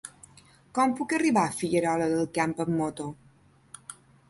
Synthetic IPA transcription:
kɔmpukəriβafiʎəɾɔləðəlˠkampəmːot̪o

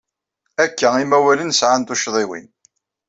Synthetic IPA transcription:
ækːæimæwælənsʕant̪uʃðˤiwḭn

